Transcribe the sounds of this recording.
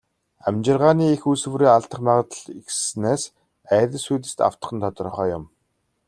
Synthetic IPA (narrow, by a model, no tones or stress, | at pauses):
æmʲt͡ɕɪ̆rʁaːniːexus̆wɾeːaɮt̪ə̆χmaʁə̆t̪ə̆ɮikssneːs | æːtʲɘ̆ɮsujt̪ɘ̆st̪a̰w̥t̪ə̥̆χə̆nt̪ʰɔt̪r̆χœːjʊm